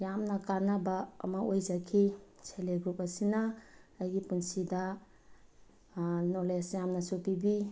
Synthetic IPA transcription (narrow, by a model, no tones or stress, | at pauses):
jamnakanaba̰ːmaojzakʰisʰeleɡɾupasinaːjɡipunsida | nɔlesjamnasupibi